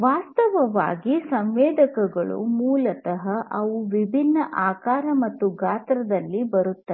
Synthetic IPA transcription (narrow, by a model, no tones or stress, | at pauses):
ʋaːst̪ɐʋɐʋa̰ːɡisɐmʋɛːd̪ʱɐkɐɡɐɭṵmuːlɐt̪ɐɦɐʔɐʋuʋibʱinːɐʔaːkaːɾɐmɐt̪ːuɡaːt̪ɾɐd̪ɐlːibɐɾut̪ːɐ